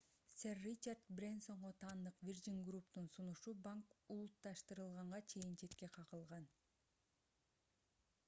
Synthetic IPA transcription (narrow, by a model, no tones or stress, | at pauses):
sʲerːit͡ʃard̪brʲenso̞ɴʁot̪ʰɑːnd̪ɯqvʲird͡ʒiŋɡrupt̪unsunuʃubaŋkulˠut̪ːɑʃt̪ɯɾɯlˠʁɑɴʁɑt͡ʃʰe̞jint͡ʃʰe̞t̪ke̞qʰɑʁɯlˠʁɑn